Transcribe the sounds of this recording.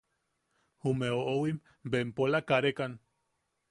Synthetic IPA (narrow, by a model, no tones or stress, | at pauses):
humeoʔowim | bempolakaɾekan